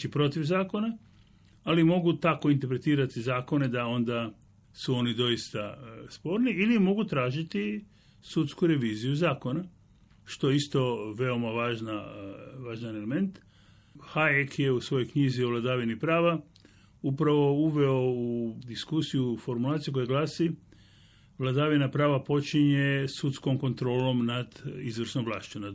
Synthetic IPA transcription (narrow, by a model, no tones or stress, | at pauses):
t͡ʃipɾo̞t̪iʋzaːko̞naː | limo̞ɡut̪ako̞int̪eɾpɾe̞t̪iːɾat̪izaːko̞ne̞d̪ao̞nd̪a | suo̞nid̪o̞jist̪aspo̞ːɾniilimo̞ɡut̪ɾaːʒit̪i | sut̪skuɾe̞ʋiːzijuzaːko̞na | ʃt̪o̞jeist̪o̞ʋe̞o̞maʋaːʒnaʋaːʒnaneleme̞nt̪ | haekje̞usʋo̞jojkɲizioʋlˠad̪aːʋinipɾaːʋa | upɾaʋo̞uʋe̞oud̪iskusijufo̞ɾmulˠaːt̪sijuko̞jaɡlˠaːsi | ʋlˠad̪aʋinapɾaːʋapo̞t͡ʃiɲesut̪sko̞mko̞nt̪ɾo̞ːlo̞mnad̪izʋr̩snomʋlˠa̰ːʃt͡ʃuna